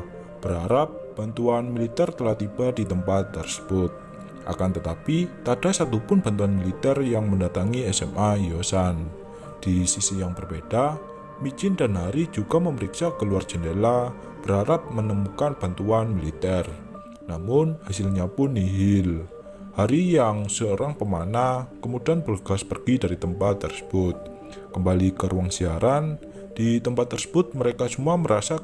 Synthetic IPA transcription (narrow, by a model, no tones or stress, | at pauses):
b̥əɾaɾap̚b̥a̤nt̪uanmilit̪ɛrt̪əlaht̪ib̥a̤di̤t̪əmpat̪ːərsə̥b̥ʊt̪̚ | ʔa̰kant̪ət̪apit̪ad̥a̤sat̪upʊnb̥a̤nt̪uanmilit̪ɛrjaŋməndat̪aŋiɛsɛ̰mʔajosan | d̥isisijaŋpərbed̥a | mid͡ʒɪnda̤nɦaɾid͡ʒuɡ̥aməməɾiksakəluard̥d͡ʒ̥ə̤nela | b̥əɾaɾap̚mənəmukanb̥ant̪uanmilit̪ɛr | namʊnhasɪlɲapʊnːiɦɪl | haɾijaŋsəoɾaŋpəmanakəmud̥ianbərɡ̥aspərɡ̥idaɾit̪əmpat̪ːərsə̥b̥ʊt̪̚ | kəmbalikəɾuwaŋsiaɾan | d̥it̪əmpat̪ːərsə̥b̥ʊt̪̚məɾekasəmuaməɾasa